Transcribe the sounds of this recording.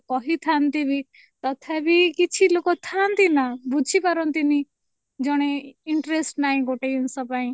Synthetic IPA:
kɔɦit̪ʰant̪ibʱi | t̪ɔt̪ʰɛbʱikit͡ʃʰilokot̪ʰant̪inabud͡ʒʱipɐɾɔ̃nt̪ini | d͡ʒɔɽ̃eɪɳʈɾesʈnaːĩɡoʈeunsɔ̃paːĩ

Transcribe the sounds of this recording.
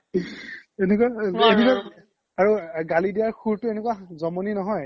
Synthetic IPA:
enekuaeneka | aɹuɡalidijaɹxuɹtʊenekwazɔmoninɔɦɔj

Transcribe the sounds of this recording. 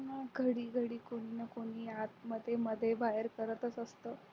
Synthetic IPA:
nəɡʱəɽiːɡʱəɽiːkoɽ̃iːnəkoɽ̃iːat̪məd̪ʱːjeməd̪ʱːjebajəɾkəɾət̪ət͡səst̪əː

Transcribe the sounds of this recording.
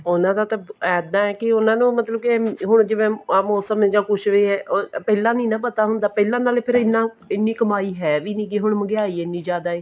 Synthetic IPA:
ʊnãːd̪aːt̪ãɛːd̪ãːɛːkɪʊnãːnũːmət̪ləb̚kɪɦʊɳ̃d͡ʒɪʋẽːmoːsəm̃d͡ʒãːkʊʃʋeːɦɛːʔopɛːlãːnĩːnãːpət̪aːɦʊnd̪aːpɛːlãːnaːlepʰɪɾɪnːãː | ɪnːiːkəmaːiːɦɛːʋiːnĩːkɪɦʊɳməɡɪaːiːɪnːĩːd͡ʒjaːd̪aːeː

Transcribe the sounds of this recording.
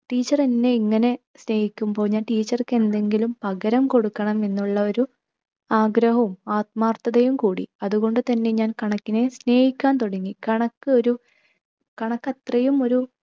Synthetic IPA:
ʈiːt͡ɕːɐrenːe̞iŋːɐne̞ | sne̞ːhikʲːumpoːɲːaːʈiːt͡ɕːɐrkːe̞nd̪e̞ŋɡilumpɐɣɐɾɐmko̞ɽukːɐɳɐme̞nːuɭːɐo̞ɾu | aːɡɾɐɦumaːt̪̚maːrt̪ɐðɐjumkuːɽḭɐðuɣo̞ɳɖɨt̪ɐnːe̞ɲaːnkɐɳɐkːine̞sne̞ːhikʲːaːnt̪o̞ɽɐŋːikɐɳɐkːɨo̞ɾu | kɐɳɐkːɐt̪rɐjumo̞ɾu

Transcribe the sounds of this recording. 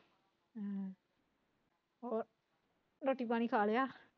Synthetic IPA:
ɔːɾ | ɾoːʈiːpaːɽ̃iːkʰaːlejaː

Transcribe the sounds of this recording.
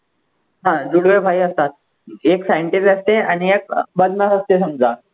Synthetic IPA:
ɦãd͡ʑuɽʋebʱaiəst̪at̪̚ | eksajəɳʈisəst̪eañiek̚bəd̪nasəst̪esəmd͡za

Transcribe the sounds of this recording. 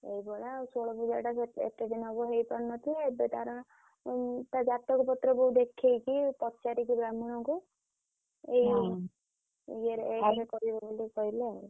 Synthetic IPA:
ejbɔɽausoɭɔpud͡ʒaɾʈaseḛt̪eɖinɔbɔɦejpɔɽnɔt̪ʰiebet̪aɾɔ | t̪ad͡ʒat̪ɔkɔpɔt̪ɾɔbɔud̪ekʰejkipɔt͡ʃaɾikibɾamuɽ̃ɔku | ej | ɡeɾejɾekɔɾibɔbolikɔɦileau

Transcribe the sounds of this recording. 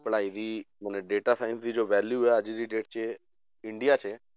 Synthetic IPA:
pəɽaːid̪iː | məneɖeːʈasaːɪnsd̪id͡ʒoːʋɛːljuɛəd͡ʒd̪iɖeːʈ̚t͡ʃʰe | ɪ̃ɳɖijat͡ʃʰeː

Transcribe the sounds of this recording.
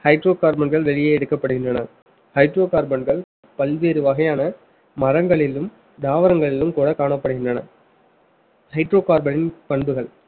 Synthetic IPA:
hɐɪʈroːkaːɾbɐɳɡɐɭʋɛɭɪjeːɛɽɯkːɐpːɐɽɯɣɪndrɐnɐ | hɐɪʈɾoːkaːɾbɐɳɡɐɭ | pɐlʋeːɾɯʋɐɣɐjaːnɐ | mɐɾɐŋɡɐɭɪlɯm | ɖ̪aːʋɐɾɐŋɡɐɭɪlɯmkuːɽɐkaːɳɐpːɐɽɯɣɪndrɐnɐ̰ | hɐɪʈɾoːkaːɾbɐnɪnpɐɳbɯɣɐɭ

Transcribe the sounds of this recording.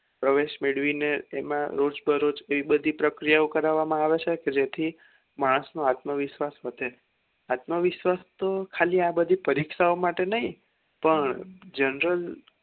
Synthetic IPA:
pɾəʋeʃmeɽʋineemãɾod͡ʒbʱəɾod͡ʒeʋibəd̪ʱipɾəkɾijaokəɾaʋamãaʋet͡ʃʰeked͡ʒet̪ʰi | maɽ̃əsnoat̪məʋɪʃʋasʋət̪e | at̪məʋɪʃʋast̪okʰaliabəd̪ʱipəɾikʃaomaʈenəɦĩ | pəɳd͡ʒənɾəl

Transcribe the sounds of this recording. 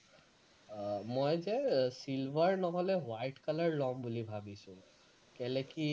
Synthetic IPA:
mɔjzɛsilbʱaɹnɔɦɔlɛwajʈkalaɹlɔmbulibʱabisʊ̃ | kɛlɛki

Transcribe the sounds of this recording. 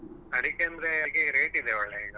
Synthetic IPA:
ɐd̪ikːeɐnd̪ɐɾekːeɾeːʈid̪eʋɐɭːeiːɡɐ

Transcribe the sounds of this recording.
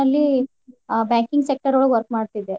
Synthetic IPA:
ɐlːi | baːŋkiŋɡsek̚ʈɐɾoːɭuʋɐɾk̚maːɖt̪id̪ːe

